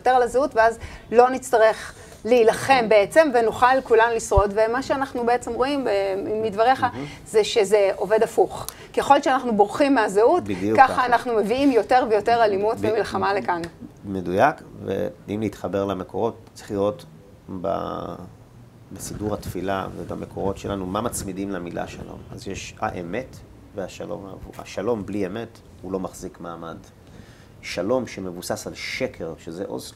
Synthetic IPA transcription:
ote̞ʁalazeutveazlo̞nit͡staʁe̞χ | liːlaχe̞mbeet͡se̞mvenuχalkulanulisʁo̞tve̞maʃeanaχnubeet͡se̞mʁo̞imbemːidvaʁe̞χa | zeʃe̞ze̞ʔo̞ve̞dafuχ | kieχo̞lt͡ʃeanaχnubo̞ʁχimːeazeutbd̪jukaχaːnaχnume̞viimjo̞te̞ʁvejo̞te̞ʁalimutvemilχamale̞kanmedujakvḛimleit̪χabeʁlame̞ko̞ʁo̞t | t͡siχlijo̞t | ba̰ | besiduʁatfila̰vebamekʰo̞ʁo̞tʃe̞lanumamat͡smidimlamilʔa̰ʃa̰lo̰ma̰zjeʃa̰ʔeme̞t | veaʃalo̰mavua̰ʃalo̞mblieme̞t | hulo̞maχzikmaːmad | ʃalo̞mʃeme̞vusasalʃekʰe̞ʁʃeze̞̰ʔoz

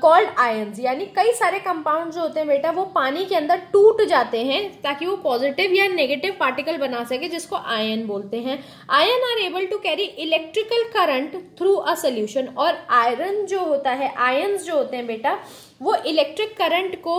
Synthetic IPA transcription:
kɔːlɖaːjənzjaːnikɐisaːɾekɐ̃mpaːʊ̃ɳɖzd͡ʒoɦoːt̪ẽɦɛ̃beːʈaʋopaːnikeɐ̃nd̪əɾʈuːʈd͡ʒaːt̪eɦɛ̃t̪aːkiʋopɔːzɪʈɪʋjaneːɡeːʈɪʋpaːɾʈɪkəlbɐnasɐked͡ʒɪskoʔaːjənboːlt̪eɦɛ̃ | aːjənaːɾeːbəlʈukɛːɾiʔɪlɛːk̚ʈɾɪkəlkɐɾə̃ɳʈt̪ʰɾuːʔɐsɐljuːʃənɔːɾaːɪɾənd͡ʒoːɦoːt̪aɦɛʔaːjənzd͡ʒoːɦoːt̪eɦɛ̃beːʈa | ʋoʔɪlɛːk̚ʈɾɪkːɐɾə̃ɳʈko

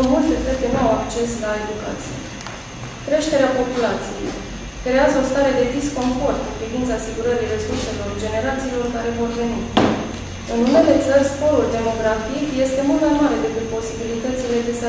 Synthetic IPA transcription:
mult̪e̞t̪ərk̪enuawakt͡ʃe̞slae̞d̪uka̰t̪sḭjḛ | kɾe̞ʃt̪e̞ɾeapo̞pulat̪sijḛ | kɾe̞azəo̞st̪aɾe̞d̪e̞d̪isko̞ɱfo̞rt̪ɨnpɾivint̪saːsiɡuɾəɾire̞surse̞lo̞rd͡ʒe̞ne̞ɾat̪siːlo̞rkaɾe̞vo̞rve̞ni | ɨnune̞le̞t̪sərʲspo̞ɾuld̪e̞mo̞ɡɾafikje̞st̪e̞mult̪majmaɾe̞d̪e̞kɨt̪̚po̞sibilit̪ət̪sʲle̞d̪es

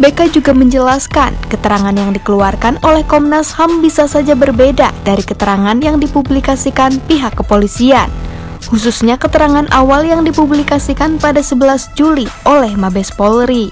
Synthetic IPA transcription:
bekad͡ʒuɡaməɲd͡ʒəlaskankət̪əɾaŋanjaŋdikəluarkanolɛhkɔmnashambisasad͡ʒabərbedadaɾikət̪əɾaŋanjaŋdipublikasikanpiɦakːəpolisian | hususɲakət̪əɾaŋanʔawaljaŋdipublikasikanpadasəbəlasd͡ʒuliolɛhmabɛspolɾi

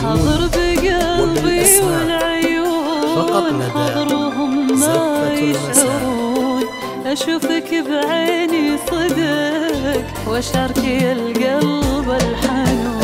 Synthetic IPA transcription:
ħɑðˤɨɾbɪɡalbiwɪlʕʊjuːnħɑðˤɨɾwɪɦʊmːajɪʃhaɾuːn | ʔaʃuːfakbʕeːnisˤɨd̪ɪk | wʔaʃʕɑɾˤkialɡalbalħanuːn

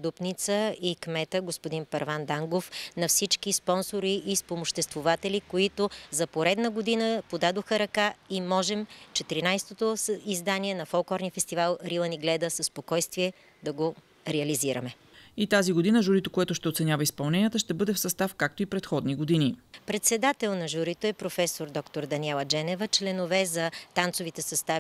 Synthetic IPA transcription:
d̪upnit̪səikmɛt̪əɡospod̪inpɐɾvand̪aŋɡofnɐfsit͡ʃkispɔnsoɾiʔːspomoʃt̪ɛst̪vovat̪ɛlikoit̪ozɐpoɾɛd̪nəɡod̪inəpod̪ad̪oxəɾɐkaimɔʒɛmt͡ʃɛt̪ɾinajst̪ot̪oizd̪anʲiɛnɐfolˠkˠɔɾniəfɛst̪ivalˠɾilˠəniɡlɛd̪əsɐspokɔjst̪viɛ | d̪ɐɡo | ɾɛɐliziɾɐ̰mɛ | it̪aziɡod̪inəʒuɾit̪okoɛt̪ʊʃt̪ɛot̪sɛnʲavɐispɐlˠnɛnijət̪əʃt̪ɛbɤd̪ɛfsɐst̪afkak̚t̪oipɾɛt̪xɔd̪niɡod̪inipɾɛt̪sɛd̪at̪ɛlˠnɐʒuɾit̪oɛpɾofɛsoɾd̪ɔkt̪oɾd̪ɐnʲiɛlˠɐd͡ʒɛnɛvət͡ʃlɛnovɛzɐt̪ant̪sovit̪ɛsɐst̪a

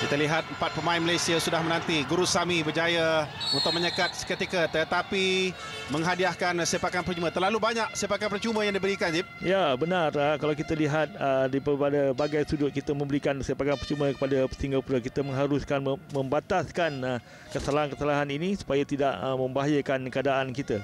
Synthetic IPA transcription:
kit̪əliɦat̪̚əmpat̪̚pəmainməlajsiasudahmənant̪iɡuɾusamibəd͡ʒajəunt̪ʊk̚məɲəkat̪̚kət̪ikat̪ət̪api | məŋɦadiahkansepakanpərt͡ʃumə̃t̪ərlalubaɲaʔsepakanpərt͡ʃumə̃jaŋdibəɾikand͡ʒi | jabənarəkalawkit̪əliɦat̪̚ədipəpadəbaɡajsudʊt̪̚kit̪əmə̃mbəɾikansepakanpərt͡ʃumə̃kə̥padasiŋɡapuɾakit̪əməŋɦaɾʊskanəmə̃mbat̪askanə | kəsalaɦankəsalaɦaninisu̥pajat̪idaʔmə̃mbaɦajəkankəadaʔankit̪a

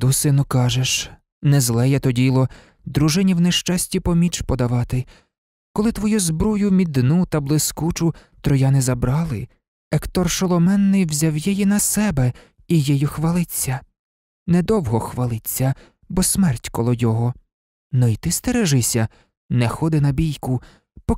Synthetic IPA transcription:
d̪usɪnʊkɑʒeʃ | nɛzlˠɛjɛt̪ɔdʲilˠɔ | d̪ɾuʒɪnʲiwnɛʃt͡ʃɑsʲtʲipɔmʲit͡ʃpɔd̪ɐʋɑt̪ɪ | kɔlˠɪt̪ʋɔjuzbɾɔjʊmʲid̪nut̪ɐblˠɪskut͡ʃʊ | t̪ɾɔjɑnɛzɐbɾɑlˠɪ | ɛkt̪ɔrʃɔlˠɔmɛnːɪjwzʲawjɛjinɐsɛbɛ | ijɛjɔxʋɐlˠɪt͡sʲːɐ | nɛd̪ɔwɦɔxʋɐlˠɪt͡sʲːɐ | bɔsmɛrtʲkɔlˠɔjɔɦɔ | nɔit̪ɪst̪ɛɾɛʒɪsʲɐ | nɛxɔd̪ɪnɐbʲijkʊ | pɔ

